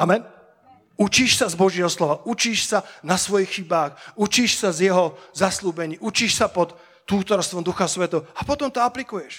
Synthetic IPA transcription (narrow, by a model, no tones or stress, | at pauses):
amɛn | ut͡ʃiːʃsazbɔʒɪɛɦɔslɔʋaut͡ʃiːʃsanasʋɔjixːibaːxut͡ʃiːʃsazjɛɦɔzasluːbɛɲiːut͡ʃiːʃsapɔt̪ː | uːt̪ɔɾst̪ʋɔmd̪uxasʋɛt̪ɛɦɔapɔt̪ɔmt̪ɔaplikujɛʃ